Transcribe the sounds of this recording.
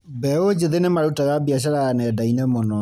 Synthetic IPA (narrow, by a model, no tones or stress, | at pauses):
bɛod͡ʑeðenemaɾutaɣabiaɕ̬aɾaɣanɛːdainɛmɔnɔ